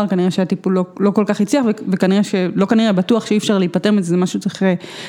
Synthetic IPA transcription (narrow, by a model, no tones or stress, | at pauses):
aʁkaniʁeʃeat̪ipulːolo̞ko̞lkaχit͡sliaχvevekaniʁeʃelo̞kaniʁebatuaχʃeiːfʃaʁliipatemezezemaʃut͡siχe